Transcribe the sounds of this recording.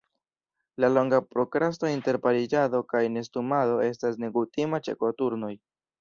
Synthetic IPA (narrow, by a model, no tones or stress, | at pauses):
lalo̞ŋɡapɾo̞kɾastointe̞ɾpaɾid͡ʒado̞kajne̞stumado̞e̞stas̬ne̞ɡutimat͡ʃe̞̰ko̞tuɾno̞j